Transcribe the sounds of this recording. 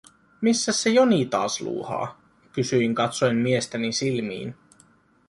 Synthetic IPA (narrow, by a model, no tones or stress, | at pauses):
misːæsːejoniːt̪ɑːslṵːhɑ̰ː | kysyiŋkɑt̪sojmmiest̪ænisilmḭːn